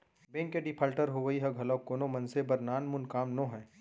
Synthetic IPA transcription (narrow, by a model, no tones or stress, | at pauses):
bẽːŋkeɖipʰaːlʈəɾɦoʋəiɦɐɡʱɐlɔkːoːnõmɐ̃nsebɐɾnaːnmʊnkaːmnõɦɛ̃ː